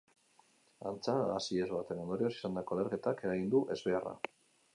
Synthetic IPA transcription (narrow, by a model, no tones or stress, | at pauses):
ant͡saasie̞zβat̪e̞nend̪oɾio̞si̥sand̪ako̞ale̞ɾke̞t̪ake̞ɾaɣind̪uʔe̞zβe̞ara̰